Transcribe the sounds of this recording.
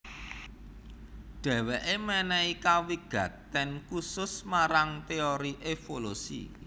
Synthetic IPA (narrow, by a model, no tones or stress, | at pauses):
ɖ̥ɛ̤wɛʔemɛnɛikawiɡ̥ä̤t̪ːɛnkusʊsmaɾaŋt̪eoɾiʔefolusḭ